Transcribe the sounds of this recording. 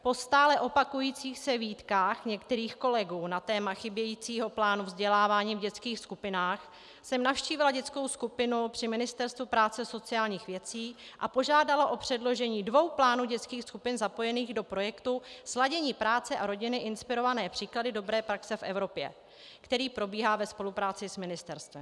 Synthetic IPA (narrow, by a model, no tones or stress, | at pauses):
po̞st̪aːlɛʔo̞pakujiːt͡siːxsɛviːt̪kaːxɲɛkt̪ɛɾiːxko̞lɛɡuːnat̪ɛːmaxɪbjɛjiːt͡siːɦo̞plaːnuvzɟɛlaːvaːɲiːvɟɛt͡skiːxskupɪnaːx | sɛmnafʃciːvɪlaɟɛt͡sko̞wskupɪnupr̥ɪmɪnɪst̪ɛɾst̪vupɾaːt͡sɛso̞t͡sɪaːlɲiːxvjɛt͡siːʔapo̞ʒaːdalaʔo̞pr̝̥ɛdlo̞ʒɛɲiːdvo̞wplaːnuːɟɛt͡skiːxskupɪnzapo̞jɛniːɣdo̞pɾo̞jɛkt̪uslaɟɛɲiːpɾaːt͡sɛʔaɾo̞ɟɪnɪʔɪnspɪɾo̞vanɛːpr̝̥iːkladɪdo̞bɾɛːpɾaksɛfʔɛ̰vɾo̞pjɛ̰ | kt̪ɛɾiːpɾo̞biːɦaːvɛspo̞lupɾaːt͡sɪsmɪnɪst̪ɛɾst̪vɛm